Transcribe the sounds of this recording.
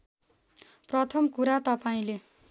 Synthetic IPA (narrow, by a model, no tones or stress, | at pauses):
prʌt̪ʰʌmkuɾat̪ʌpaĩle